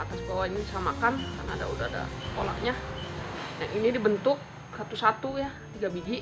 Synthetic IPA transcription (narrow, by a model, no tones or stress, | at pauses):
at̪asbawainidisamakanka̰rna̰ːda̰udaada̰kola̰ʔɲa | jaŋʔinidibənt̪ʊk̚ | sat̪usat̪ujat̪iɡabiɡi